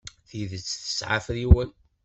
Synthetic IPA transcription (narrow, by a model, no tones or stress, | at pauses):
θiðət͡sːθə̥sʕa̰fɾiwæl